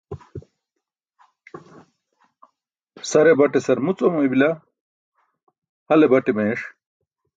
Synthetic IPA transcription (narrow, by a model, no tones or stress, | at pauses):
sɐɾebɐʈesɐɾmut͡somuibilɐ | ɐlebɐʈemeːʂ